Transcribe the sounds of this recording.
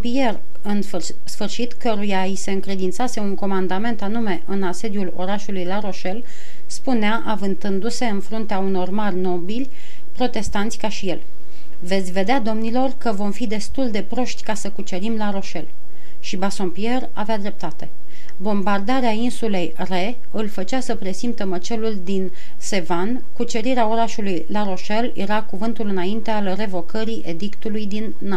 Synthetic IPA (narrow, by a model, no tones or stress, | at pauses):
pier | ɨn | sfɨrʃit̪kəɾujaise̞ɨŋkɾe̞d̪int̪sase̞uŋko̞mand̪ame̞nt̪an̪ume̞ʔɨnase̞d̪julo̞̰ɾaʃulujlaɾo̞ʃe̞l | spuneaʔavɨnt̪ɨnd̪use̞ɨnfɾunt̪eauno̞rmarʲno̞bilʲ | pɾo̞t̪e̞st̪ant̪sʲkaʃije̞l | ve̞t̪sʲve̞d̪ead̪o̞mnilo̞rkəvo̞mfid̪e̞st̪uld̪e̞pɾo̞ʃt̪ʲkasəkut͡ʃe̞ɾimlaɾo̞ʃe̞l | ʃibasompie̞ra̰vead̪ɾe̞p̚t̪at̪e̞ | bo̞mbard̪aɾeainsule̞j | re̞ | ɨlfət͡ʃasəpɾe̞simt̪əmət͡ʃe̞luld̪in | se̞van | kut͡ʃe̞ɾiɾeao̞ɾaʃulujlaɾo̞ʃe̞ljʔe̞̰ɾakuvɨnt̪ulɨnaint̪e̞alre̞vo̞kʰəɾiʔe̞d̪ikt̪ulujd̪inːa